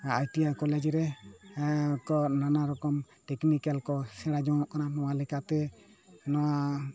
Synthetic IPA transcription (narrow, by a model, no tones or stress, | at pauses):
ajʈiajkɔled͡ʒɾɛ | kɔnanaɾɔkɔm | ʈɛknikalkɔsɛɽad͡ʒɔ̃ɔʔkananɔwalɛkat̪ɛnɔwa